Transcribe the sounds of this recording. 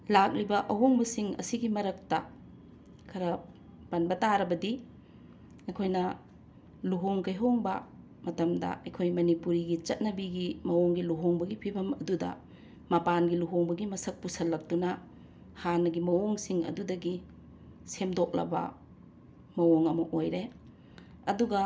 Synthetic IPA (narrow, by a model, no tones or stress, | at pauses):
lak̚libɐʔɐɦoŋbɐsiŋɐ̰siɡimɐɾɐk̚tɐ | kʰɐɾɐ | pɐnbɐtaɾɐbɐdi | ɐjkʰojnɐ | luɦoŋkɐjɦoŋbɐ | mɐtɐmdɐ̰ɐjkʰojmɐnipuɾiɡit͡ʃɐt̚nɐbiɡimɐwoŋɡiluɦoŋbɐɡipʰibɐmɐdudɐ̰ | mɐpanɡiluɦoŋbɐɡimɐsɐk̚pusɐlːɐk̚tunɐ | hanɐɡimɐwoŋsiŋɐ̰dudɐɡi | semdok̚lɐ̰bɐ̰ | mɐwoŋɐmɐʔojɾe | ɐduɡɐ